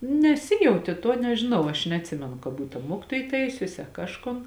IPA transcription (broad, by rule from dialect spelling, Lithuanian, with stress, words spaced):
nʲɛsʲɪˈjɛʊtʲeː tuɔ nʲɛʒʲɪˈnɐʊ ɐʃ nʲɛɐtʲˈsʲɪmʲɛnʊ kɐ ˈbuːt ɐ ˈmuɔkʲɪtoːj ˈtɐɪsʲʊsʲɪ ɐ ˈkɑːʃˌkoːn